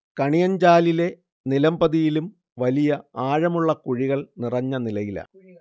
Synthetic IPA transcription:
kɐɳijɐɲd͡ʑaːlile̞ | nilɐmbɐðijilum | ʋɐlijɐaːɻɐmuɭːɐkuɻiɣɐɭnirɐɲːɐnilɐjilɐ̰

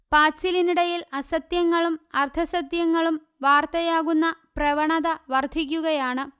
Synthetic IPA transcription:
paːsiliniɽɐjilɐsɐt̪jɐŋːɐɭumɐrt̪ʰɐsɐt̪jɐŋːɐɭum | ʋaːrt̪ɐjaːɣunːɐprɐʋɐɳɐðɐʋɐrd̪ʱik̬ʲːuɣɐjaːɳɨ

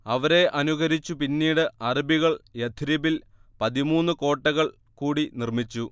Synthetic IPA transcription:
ɐʋɐɾe̞ʔɐnuɣɐɾit͡ɕːupinːiːɽɨɐribiɣɐɭjed̪ʰʱiɾibil | pɐðimuːnːɨko̞ːʈːɐɣɐɭ | kuːɽinirmit͡ɕːu

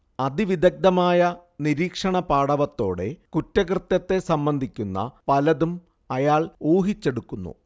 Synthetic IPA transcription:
ɐd̪iʋid̪ɐk̚d̪ɐmaːjɐniɾiːkʂɐɳɐpaːɽɐʋɐt̪ːo̞̰ːɽe̞̰kutːɐkrɨt̪ːɐt̪ːe̞sɐmbɐnd̪ʱikʲːunːɐ̰pɐlɐðum | ɐjaːɭuːɦit͡ɕːe̞ɽukːunːṵ

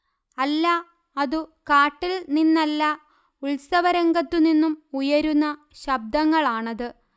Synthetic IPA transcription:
ɐlːɐ | ɐðukaːʈːilninːɐlːɐ | uɭsɐʋɐɾɐŋɡɐt̪ːuninːumujɐɾunːɐ | ɕɐb̚d̪ɐŋːɐɭaːɳɐðɨ

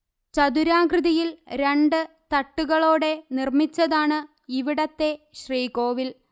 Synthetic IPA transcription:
t͡ɕɐd̪uɾaːɡrɨðɐjilɾe̞ɳɖɨ | t̪ɐʈːuɣɐɭo̞ːɽe̞nirmit͡ɕːɐðaːɳɨ | iʋiɽɐt̪ːe̞ɕriːko̞ːʋil

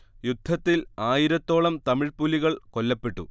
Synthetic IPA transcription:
jud̪ʱːɐt̪ːilaːjiɾɐt̪ːo̞ːɭɐmt̪ɐmiɻpulːiɣɐɭko̞lːɐpːe̞ʈːṵ

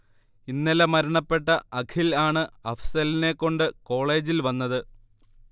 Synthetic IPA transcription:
inːɐlɐmɐɾɐɳɐpːe̞ʈːɐɐkʰilaːɳɨɐfsɐline̞kːo̞ɳɖɨko̞ːɭe̞ːd͡ʑilʋɐnːɐðɨ

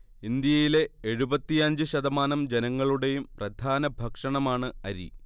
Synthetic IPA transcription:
ind̪jɐjile̞eɻubɐt̪ːijɐɲd͡ʑɨɕɐðɐmaːnɐmd͡ʑe̞nɐŋːɐɭuɽe̞jumprɐd̪ʱaːnɐbʱɐkʂɐɳɐmaːɳɨɐɾḭ

